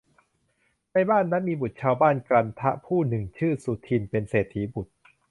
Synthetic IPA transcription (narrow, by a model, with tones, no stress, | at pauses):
na˥˩jbaː˥˩nːa˦˥nmiː˧bu˨˩t̪̚t͡ɕʰaː˧wbaː˥˩nkɾa˧nt̪ʰa˦˥ʔpʰuː˥˩nɯ˨˩ŋt͡ɕʰɯː˥˩su˨˩t̪ʰi˧npe˧nseː˨˩t̪ʰːiː˩˦bu˨˩t̪̚